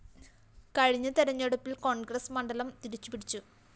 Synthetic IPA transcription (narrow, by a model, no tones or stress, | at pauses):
kɐɻiɲːɐt̪eɾɐɲːeɽupːilko̞ːnɡrɐsmɐɳɖɐlɐmt̪iɾit͡ɕːu̥piɽit͡ɕːu